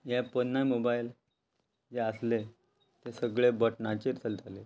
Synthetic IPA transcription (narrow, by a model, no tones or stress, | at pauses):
jɛpənːajmobail | d͡ʑeəsle | t̪esəɡɭebəʈnat͡ɕeɾt͡səld͡zʱale